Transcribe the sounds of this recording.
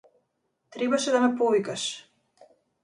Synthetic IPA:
t̪ɾɛbaʃɛd̪amɛpɔvikaʃ

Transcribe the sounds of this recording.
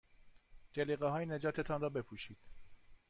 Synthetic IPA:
d͡ʒeliːɣeɦɒːjened͡ʒɒːt̪ʰet̪ʰɒnɾɒːbe̞pʰuːʃiːd̪̥

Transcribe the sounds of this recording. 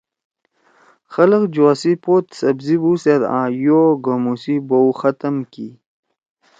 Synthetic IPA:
xɐləqd͡ʑoasipot̪sɐbzibuːseɾã̰ːjoːɡomusibowxɐt̪əmkḭ

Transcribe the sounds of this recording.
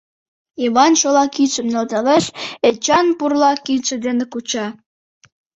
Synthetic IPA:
iβɑnʃolɑkit͡ʃə̆mnelt̪ɑleʃet͡ɕɑnpurlɑkit͡ʃə̆d̪enekut͡ɕɑ

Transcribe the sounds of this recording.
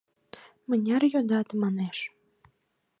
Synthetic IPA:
mənʲɑrjod̪ɑt̪əmɑneʃ

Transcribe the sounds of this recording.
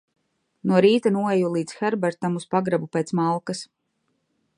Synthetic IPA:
nuɔɾiːt̪anuɔɛjulˠiːt̪sxɛɾbɛɾt̪amuspaɡɾabupeːt̪smalˠkas

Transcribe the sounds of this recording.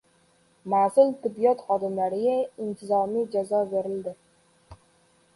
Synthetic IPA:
masɪlt̪ʰɪbːijɒt̪χɒd̪ɪmlaɾɪɡʲaɪnt̪ʰɪzɒmijd͡ʒazɒbe̞ɾɪld̪ɪ

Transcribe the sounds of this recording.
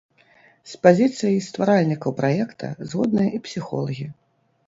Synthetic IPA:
spazʲit̪sɨjɐjst̪vaɾalʲnʲikɐwpɾajɛkt̪ʰɐ̰zɣɔd̪nɨjɐʔipsʲixɔ̰lˠɐɣʲi

